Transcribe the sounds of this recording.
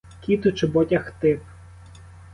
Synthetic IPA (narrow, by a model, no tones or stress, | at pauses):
kʲit̪ʊt͡ʃebɔtʲɐxt̪ɪp